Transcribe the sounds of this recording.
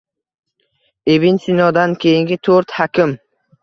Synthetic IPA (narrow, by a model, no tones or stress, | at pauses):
ebinsɪnɒd̪ankʲʰejɪŋɡʲɪt̪ʰoɾt̪hakʲʰɪm